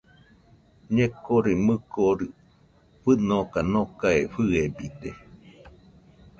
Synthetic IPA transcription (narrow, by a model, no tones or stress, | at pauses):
ɲẽkoɾimɨkoɾɨ | ɸɨnokanokaeɸɨebid̪e